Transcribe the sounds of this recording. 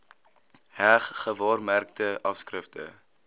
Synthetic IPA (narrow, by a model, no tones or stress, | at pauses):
hæχːəvɑːrmærk̚təɐfskrəftə̰